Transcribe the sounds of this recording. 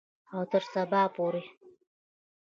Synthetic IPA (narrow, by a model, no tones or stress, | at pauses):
awtʰɨrsabaːpʼuɾi